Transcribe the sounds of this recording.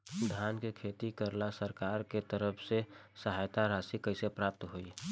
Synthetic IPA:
d̪ʱaːnkekʰet̪ikəɾlasəɾkaːɾket̪əɾəpʰsesəɦajt̪aɾasikəɪsepɾaːp̚t̪ɦoi

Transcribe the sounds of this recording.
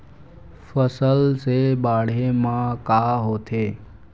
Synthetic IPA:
fəsəlsebaːɽ̤emãkaːɦoːt̪ʰeː

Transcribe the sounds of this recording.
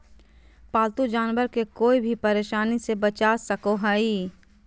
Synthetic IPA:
paːlt̪ud͡ʒaːnʋəɾkekoːibʱipɐɾeːʃaːnisebɐt͡ʃaːsɐkoɦaiː

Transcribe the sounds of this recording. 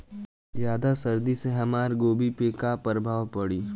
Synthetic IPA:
jaːd̪asɐɾd̪iseɦɐmaːɾɡoːbʱipeːkapɐɾbʱaːʋpɐɽiː

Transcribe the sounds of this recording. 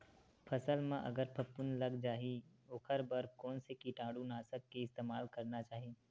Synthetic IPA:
pʰɐsəlmãʔɐ̰ɡəɾpʰɐpːʊnlɐɡd͡ʒaːɦioːkʰɐɾbəɾkɔːnsekiʈãːɽũnaːsəkːeɪst̪eːmaːlkɐɾnat͡ʃaːɦiː

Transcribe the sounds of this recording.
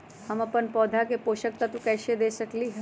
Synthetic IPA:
həməpənpɔːd̪ʱakepoːʃək̚t̪at̪ũkɛːʃed̪esəkliɦ

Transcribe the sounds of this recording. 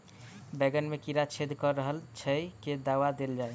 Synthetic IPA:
bɛɡənmekiɾat͡ʃʰed̪ʱkɔɾːəɦəlt͡ʃʰəjked̪awad̪eld͡ʒaj

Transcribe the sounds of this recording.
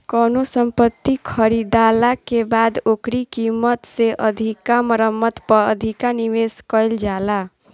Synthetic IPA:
kənosəmpət̪ːikʰəɾid̪alakebad̪okɾikimət̪seʔəd̪ʱikaməɾəmːət̪pəə̰d̪ʱikaniʋeskəjld͡ʒala

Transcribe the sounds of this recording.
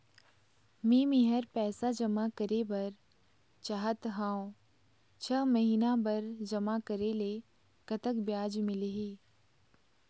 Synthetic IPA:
miːmiɦəɾpɛːsad͡ʒɐmakəɾebɐɾ | t͡ʃaːɦət̪ɦãːõ | t͡ʃʰəməɦiːnabɐɾd͡ʒɐmakəɾele | kɐt̪əkbjaːd͡ʒmɪleɦiː

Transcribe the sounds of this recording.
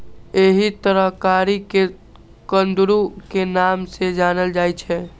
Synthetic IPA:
eɦit̪əɾəɦkaɾike | kənd̪ɾukenamsed͡ʒanəld͡ʒajt͡ʃʰɛ

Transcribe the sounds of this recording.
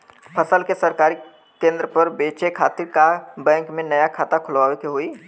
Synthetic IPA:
pʰəsəlkesəɾkaːɾi | kẽːnd̪ɾəpəɾbeːt͡ʃekʰaːt̪ɪɾkabɛ̃ːŋkmẽnəjakʰaːt̪akʰʊlʋaːʋekeɦoːi

